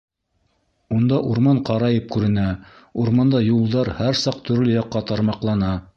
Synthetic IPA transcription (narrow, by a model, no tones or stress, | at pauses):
und̪ɑʔuɾmɑɴqɑɾɑjɤp̚kʉɾɘ̆næ | uɾmɑnd̪ɑjulˠd̪ɑɾhæɾsɑq̚t̪ɵ̆ɾlɵjɑqːɑt̪ɑɾmɑqlˠɑnɑ